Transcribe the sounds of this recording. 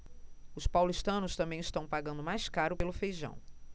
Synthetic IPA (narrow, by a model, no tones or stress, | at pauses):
ʊspawlist̪ɐ̃nʊst̪ɐ̃mbẽj̃ɪst̪ɐ̃w̃paɡɐ̃nd̪ʊmajskaɾʊpelʊfejʒɐ̰̃w̃